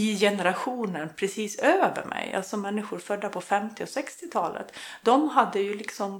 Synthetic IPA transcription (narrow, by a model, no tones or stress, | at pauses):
ɪjɛnəɾaɧuːnənpʰɾɛsiːsøːvə̰ɾmʔɛ̰jʔa̰lt̪sɔmɛnːɪɧʊɾfœɖ̪ːapʰɔfɛmt̪ɪɔsɛkst̪ɪt̪ʰɑːlə̰t̪d̪ɔmɦad̪ːəjɵlɪksɔm